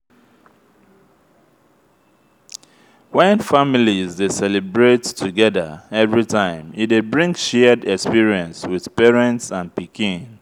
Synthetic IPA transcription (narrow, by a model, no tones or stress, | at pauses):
wɛ̃nfamilizdesɛlɛbɹettʰuɡɛðə̰ɛvɹitʰãɪ̃midebɹĩŋkʃɛdɛkspiɹiɛ̃nswið̥pɛɹɛ̃ntsãnpikĩn